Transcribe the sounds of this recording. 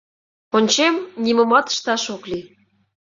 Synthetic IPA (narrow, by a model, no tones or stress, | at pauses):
onʲt͡ɕemnʲiməmɑt̪ə̥ʃt̪ɑʃokli